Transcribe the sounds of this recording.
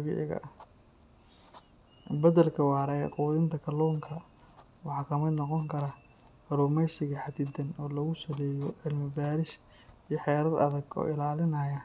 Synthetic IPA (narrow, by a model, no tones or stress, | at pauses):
βɪ̰ʕɪ̰ɣɐ̰ | bɐðɐlkʰɐwɑːɾɐɛquːðɪnt̪ʰɐkʰɐlɔːŋkʰɐ | wɑħɑːkʰɐmɐd̪nɔqɔŋkʰɐɾɐ | ɐɾuːmɛjsɪɣɐħɑd̪ɪd̪ɐnɔːlɐɣʊsɐlɛːjɔʕɪlmɪbaːɾɪs | ijħɛːɾɐd̪ɐ̰ðɐɡɔ̰ːɪlaːlɪnɐjɐ